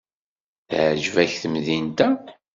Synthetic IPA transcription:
θʕʒvæçθəmðint̪æ

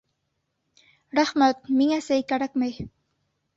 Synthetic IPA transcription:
ɾahmat̪̚miŋasejkaɽakmaj

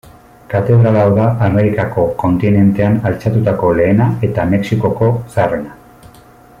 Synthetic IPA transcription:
kat̪e̞ðɾalawðaʔameɾikako̞ko̞nt̪ine̞nt̪e̞analt͡sat̪ut̪ako̞le̞ːnae̞t̪ame̞ksiko̞ko̞sare̞na

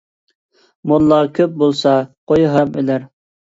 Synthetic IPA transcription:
molˠːɑkʲʰøp̚bolˠsɑqojɦɑmelæɾ

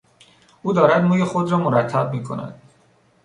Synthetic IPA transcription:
ʔuːd̪ɒːɾæd̪muːjexod̪ɾɒːmoɾæt̪ʰːæb̚miːkʰo̞̰næ̰d̪̥

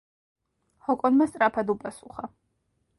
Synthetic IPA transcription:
hɔkʼɔnmast̪ʼɾapʰad̪upʼasuχa

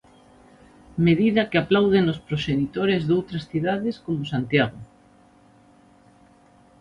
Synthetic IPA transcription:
meðiðakeaplawðenospɾoʃenit̪oɾezðowt̪ɾasθiðaðeskomosant̪jaɣ̞o

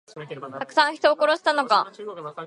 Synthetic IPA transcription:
t̪akɯ̟̥sãɰ̃çi̥t̪o̞ːko̞ɾo̞ɕi̥t̪ano̞ka

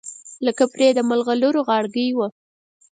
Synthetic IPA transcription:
ləkapɾed̪əmalɣaluɾoɣɑɽɡəjwə

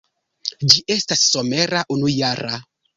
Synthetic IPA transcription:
d͡ʒiʔe̞stasːo̞me̞ɾaʔunujaɾa

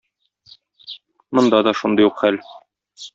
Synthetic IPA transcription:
mŏnd̪ɑd̪ɒʃund̪ɤjuqχæl

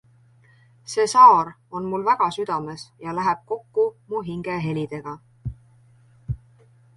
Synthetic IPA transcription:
se̞ːsɑːɾ | o̞nmulvæɡ̥ɑsyd̪̥ɑme̞sjɑlæɦeb̥̚ko̞kːumuɦiŋɡ̥e̞ɦe̞lʲid̪̥e̞ɡ̥ɑ

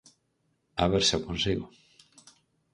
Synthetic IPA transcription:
aβeɾsakonsiɣo

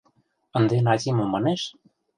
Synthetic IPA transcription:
ə̆nd̪enɑzʲimomɑneʃ

